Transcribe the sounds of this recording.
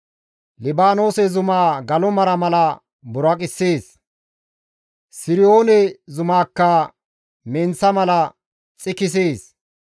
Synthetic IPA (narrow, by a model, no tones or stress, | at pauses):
lɪbaːno̞ːsɛzʊmaːɡɐlɔmɐɾɐmɐlɐ | bʊɾɐkʼɪsːeːs | sɪɾɪo̞ːnɛzʊmaːkːɐ | mɛnt͡sːɐmɐlɐ | t͡sʼɪkɪs̬eːs